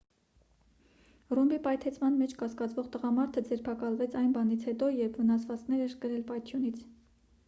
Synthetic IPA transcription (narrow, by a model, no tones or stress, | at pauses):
rumbipɑjt̪ʰɛt͡sʰmɑnmɛt͡ʃʰkɑskɑt͡svɔʁt̪əʁɑmɑɾt̪ʰəd͡zɛɾpʰɑkɑlvɛt͡sʰɑjnbɑnit͡sʰhɛt̪ɔjɛɾpʰvənɑsvɑt͡sknɛɾɛɾkəɾɛlpɑjt̪ʰjunit͡sʰ